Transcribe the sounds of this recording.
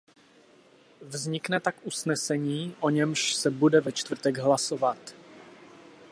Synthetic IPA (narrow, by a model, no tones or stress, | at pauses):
vzɲɪknɛt̪akʔusnɛsɛɲiːʔo̞ɲɛmʃsɛbudɛvɛt͡ʃt̪vr̩t̪ɛɡɦlaso̞vat̪